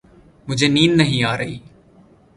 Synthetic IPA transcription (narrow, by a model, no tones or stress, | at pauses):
mʊ̃ɦd͡ʑeːniːnːəɦĩːaːɾəɦiː